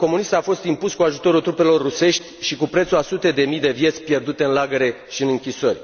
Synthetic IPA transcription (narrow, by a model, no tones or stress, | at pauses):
ko̞munist̪afo̞st̪impuskuaʒut̪o̞ɾult̪ɾupe̞lo̞rːuse̞ʃt̪ʲʃikupɾet̪suasut̪e̞d̪e̞mijd̪e̞vjet̪sʲpje̞rd̪ut̪e̞ɨnlaɡəɾe̞ | ʃiɨnɨŋkʲisorʲ